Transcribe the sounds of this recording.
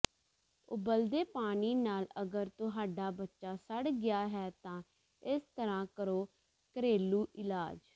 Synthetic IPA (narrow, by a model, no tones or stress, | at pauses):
ʊbəld̪eːpaːniːnaːləɡəɾt̪ʊɦaːɖaːbətːʃaːsəɽɡɪjaːɦɛːt̪ãː | ɪst̪əɾãːkəɾoː | kəɾeːluːʔɪlaːd͡ʒ